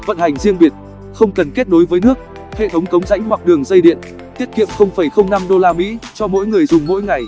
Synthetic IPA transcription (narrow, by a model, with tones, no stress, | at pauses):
və̰˧˨nha˨˩jŋ̟zi˧əŋɓi˨˩ət̚ | xə˧wŋ͡mkə˨˩nke˦˥t̚ɗno˨˦jvəː˨˦jnɨ˦˥ək̚ | hḛ˧˨t̪ʰə˨˦wŋ͡mkə˨˦wŋ͡mza̰˧˥jŋ̟hwa˨˩k̚ɗɨ˨˩əŋzə˧jɗḭ˧˨ən | t̪i˦˥ət̚kḭ˧˨əmxə˧wŋ͡mfə˧˩jxə˧wŋ͡mna˧mɗo˧laː˧mḭ˧˥t͡ɕɔ˧mo̰˧˥jŋɨ˨˩əjzʊ˨˩ŋ͡mmo̰˧˥jŋa˨˩j